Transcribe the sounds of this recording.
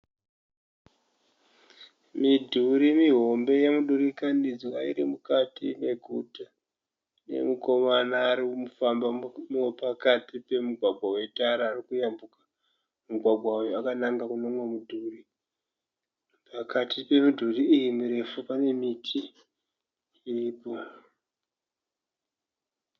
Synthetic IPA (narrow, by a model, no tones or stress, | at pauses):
midʱuɾimiɦo̞mbe̞jemuɗuɾikanid͡zwaḭɾimukatineɡʱuta | ne̞̰muko̞manaːɾimufambampakatipe̞muɡʱwaɡʱwawe̞taɾaːɾikujambukḁ | muɡʱwaɡʱwaujoakanaŋɡakunoŋwamudʱuri | pakatʰipe̞mudʱuriːjimuɾe̞fupane̞mitʰi | riːpo̞